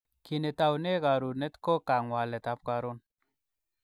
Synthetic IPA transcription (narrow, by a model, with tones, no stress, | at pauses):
ki˨ne˨ta˨wne˦ka˨ɾu˨nɛ˦t̪ko˦ka˨ŋwa˨lɛ˨t̪a˨˦p̚ka˨ɾo˦n